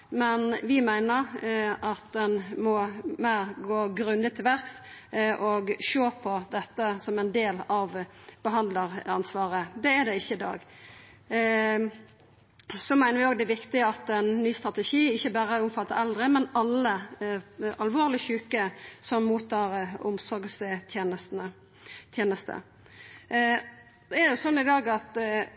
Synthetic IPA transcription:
mɛnʋɪmæɪnəʁɑt̪d̪ɛnmɔmæɪʁɡoːɡɾʉnd̪ət̪ʰːɪlʋæʁksʔɔɡʃoːpʰɔd̪ɛt̪ːəsɔmɛɪnd̪eːlɑʋb̥əɦɑnd̪ləʁɑnsʋɑːʁəd̪ɛːd̪ɛɪçːəɪd̪ɑ̰ːɡ | sɔmæɪnəɾʋɪoːɡd̪ɛæʋɪkt̪ɪəɑt̪ɛnːyːst̪ʁɑt̪ɛʃiːɪçːəbæːɾəʊmfɑt̪ːəɾɛld̪ʁəmɛnɑlːə | ɑlʋoːʁlɪçʉːkəsɔmːuːt̪ʰːɑːʁʊ̰msɔɾɡsət̪ʰjenəsnə | t̪ʰjeːnəst̪ə̰ | d̪̥ɛædɛjʊsɔnːɪd̪ɑːɡɑt̪

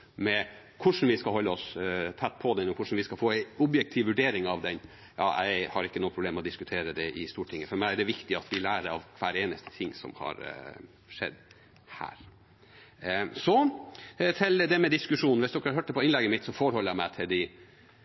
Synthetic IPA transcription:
mɛkʰʊʂn̩ʋɪskɑlɦɔlːəɔst̪ʰæt̪ːpʰɔd̪ɛnɔkʰʊʂn̩ʋɪskɑfoːæɪɔbjɛk̚t̪ʰɪːʋʋʉɖeːɾɪŋɑʋd̪ɛn | jɑ̰ːʔæ̰ɪhɑɾɪkːənuːəpɾʊbleːmɔd̪ɪskʉt̪ʰeːɾəd̪ɛʔɪst̪uːʈʰɪŋːəfɔɾmæɪɛɖɛʋɪkt̪ɪɑt̪ʋɪlæːɾəɾɑ̰ʋkʰʋæːɾeːnə̰st̪ə̥t̪ʰɪŋːsɔ̰mhɑ̰ɾ | ʂɛ̰d̪ː | hæ̰ːɾ | sɔ | t̪ʰɪld̪ɛmɛd̪ɪskʉʂuːnn̩ʋɪsd̪ɔkːɾhɑɾɦøːʈ̚d̪ɛpʰɔɪnlɛɡəmɪt̪ːsɔfoːɾhɔləjæɪmæɪt̪ʰɪld̪ɪ

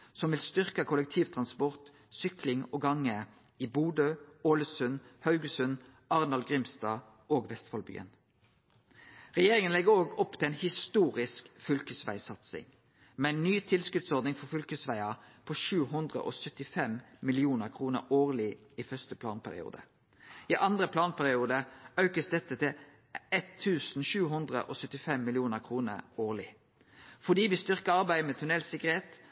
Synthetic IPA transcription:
sɔmʋɪlst̪ʏʁkəkʰʊlɛk̚t̪ʰiːʋt̪ʰʁɑnspɔʁt̪ | sʏklɪŋoːɡɑŋːə | iːbuːd̪øːoːləsʉnhɑʉɡəsʉn | ɑʁnɑlɡʁɪmst̪ɑː | ʔoːɡʋɛst̪fɑlby̰ːə̰n | ʁɛjeːʁɪŋənlɛɡəoːɡɔpːt̪ʰɪlɛːnhɪst̪uːʁɪskfʏlkəsʋæ̰ɪsɑt̪sɪ̰ŋ | meɛnːyːt̪ʰɪlskʉt̪sɔʁd̪nɪŋfɔfʏlkəsʋæɪɑpʰɔʃʉːɦʉnd̪ʁə̰ʔɔ̰sœt̪ɪfɛmmɪlɪuːnəʁkʰʁuːnə̰ɾoːʁlɪ | ifœʁst̪əpʰlɑ̰ːnpʰæʁɪ̰ṵːd̪ə̰ | ɪʔɑnd̪ʁəpʰlɑːnpʰæʁɪuːd̪əɑʉkəsd̪ɛt̪ːət̪ʰɪl | ɛt̪ʰːʉːsn̩ʃʉːɦʉnd̪ʁə̰ʔɔsœt̪ːɪfɛmːɪlɪuːnəʁkʰʁuːnə̰oːʁlɪ | fɔd̪iːʋɪst̪ʏʁkəɑʁbæɪmɛt̪ʰʉnɛlsɪkəʁeːt̪

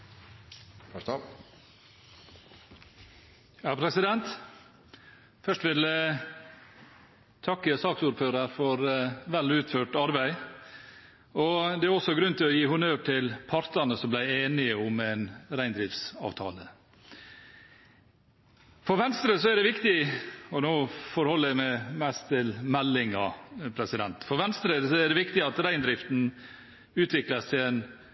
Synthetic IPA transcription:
fɑt̪ɑ | jɑpʰɾɛsɪd̪ɛnt̪ | fœʂʈʋɪlə | t̪ʰɑkːəsɑːksuːɾføːɾɑɾfɔɾʋɛlʉːt̪føːʈɑɾbæɪ | ɔd̪ɛæɾɔsɔɡɾʉnt̪ɪlɔjiːhʊnøːʋʈʰɪlpʰɑɾt̪ɑnəsɔmblæɪeːnɪəʊmɛɪnɾæɪnd̪ɾɪft̪sɑ̰ːʋt̪ʰɑ̰ːlə | fɔɾʋɛnst̪ɾəsɔæɖɛʋɪkt̪ɪɔnoːfɔɾhɔlːəæmæmæst̪ʰːɪlmɛlːɪŋɑpʰɾɛsɪd̪ɛnt̪fɔɾʋɛnst̪ɾəsɔæɖɛʋɪkt̪ɪɑt̪ɾæɪnd̪ɾɪft̪n̩ | ʉːt̪ʰʋɪkləst̪ʰɪen

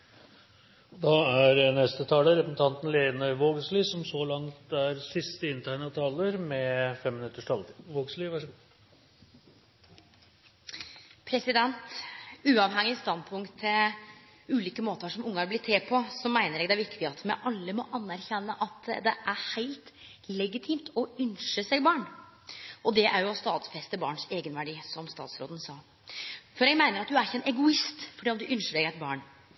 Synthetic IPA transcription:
d̪ɑæɾnɛst̪ət̪ʰɑːləɾɛpən̩t̪ʰɑnt̪n̩leːnəʋoːɡsliːsɔmsɔlɑŋt̪æɾsɪst̪əɪnt̪ʰæɪnɑt̪ʰɑːləɾmɛfɛmːɪnʉt̪ːəʂʈʰɑlʋoːɡsliːʋæʂ | pʰɾɛsɪd̪ɛnt̪ʉːɑʋɦɛŋːɪst̪ɑnd̪pʰʊŋkt̪ʰːɛ | ʉːliːkəmoːt̪əʂɔmʊŋːəɑɾblɪt̪ʰːeːpʰɔsɔmæɪnəɾɛːɡd̪æʋɪkt̪ɪɑt̪mɛ̰ʔɑlːəmɔʔɑnːæɾçɛnːəʔɑt̪d̪ɛʔæɾhæɪlt̪ | lɛɡɪt̪ʰiːmt̪ɔʉnʂəsɛɡbɑːɳ | ʔɔd̪ɛʔæɾjʊɑst̪ɑːt̪sfɛst̪əbɑ̰ːɳʂeːɡənʋæɖiːsɔmst̪ɑ̰ːt̪sɾo̰ːd̪ən̩sɑː | fɔɾɛɡmæɪnəɾɑt̪̚d̪ʉæɾɪçəɛnʔɛɡʊɪst̪fɔɖiːɔmd̪ʉʔʏnʂəɖɛɡæɪt̪bɑ̰ːɳ

